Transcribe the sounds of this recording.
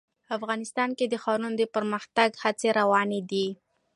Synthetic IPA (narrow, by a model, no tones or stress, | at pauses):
afɣɑnɪst̪ɑnked̪əxɑɾund̪əpəɾməxt̪aɡhat͡seɾawɑned̪i